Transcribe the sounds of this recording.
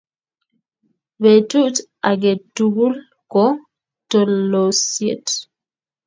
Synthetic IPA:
vɛtuʔtʔaɡɛtːuɡul | kɔ | tɔlːosiɛ̰t

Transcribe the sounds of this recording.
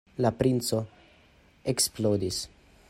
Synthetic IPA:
lapɾint͡so̞ | eksplod̪is

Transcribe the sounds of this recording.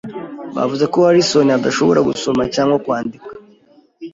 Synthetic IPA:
βa̰vuze̞koaɾiso̞niad̪aʃo̞βoɾʔaɡuso̞macaːŋɡokwaːndikḁḁ

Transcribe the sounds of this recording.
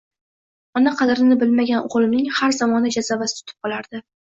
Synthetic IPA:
ɒnaqʰɑd̪ɪɾɪnɪbɪlmaɡʲanʊ̰ʁlˠɪmnɪŋhaɾzamɒnad͡ʒazavasɪt̪ʰʊ̥t̪ʰɪ̥p̚qʰɒlˠaɾd̪̥ɪ

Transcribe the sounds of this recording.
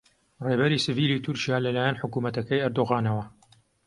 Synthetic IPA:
reːbɐɾiːsɨviːlit̪ʰʊɾt͡ʃijaːlɐlaːjanħʊkuːmɐt̪ɐkɐjɐɾd̪oɣaːnɐwɐ

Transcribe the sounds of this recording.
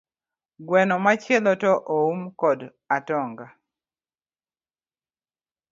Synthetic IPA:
ɡwɛnɔmat͡ʃɛlɔtɔʔoumkɔd | atɔŋɡa

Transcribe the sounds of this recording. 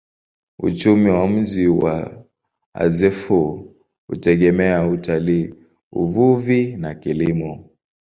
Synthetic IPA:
ṵt͡ʃumiwam̩ʄiwa̰ | a̰zɛfu | hṵtɛɠɛmɛautaliː | ṵvuvinakilimɔ

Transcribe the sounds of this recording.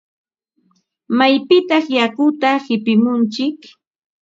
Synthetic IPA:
majpɪt̪ɑχjakʊt̪ahɪpɪmʊnt͡ʃɪk

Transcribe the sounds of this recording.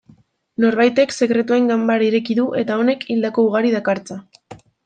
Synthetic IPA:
no̞ɾβajt̪e̞kse̞kɾe̞t̪ue̞ŋɡambaɾiɾe̞kiðuʔe̞t̪ao̞ne̞kʰild̪ako̞uɣaɾiðakaɾt͡sa

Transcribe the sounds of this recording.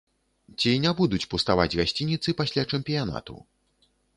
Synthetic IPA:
t͡sʲinʲabud̪ut͡sʲpust̪ava̰d͡zʲɣasʲt͡sʲinʲit̪sɨpasʲlʲat͡ʂɛmpʲijana̰t̪ṵ

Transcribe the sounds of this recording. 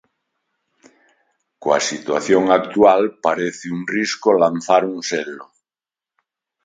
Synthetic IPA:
koa̰sit̪wa̰θjoŋak̚t̪ualpaɾeθeunriskolan̟θaɾunselo

